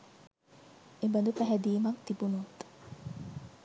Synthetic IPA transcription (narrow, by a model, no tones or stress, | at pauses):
ebənd̪upæɦɛd̪iːmaŋt̪ibunut̪